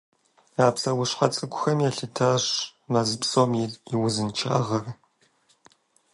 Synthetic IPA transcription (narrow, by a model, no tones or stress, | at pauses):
aːpsɐwʊɕqɐt͡sʼɨkʷʰʼʊxɐmjɛɬɨtʰaːɕmɐzɨpsoːmɪriwʊzɨnt͡ʃʰa̰ːʁɐr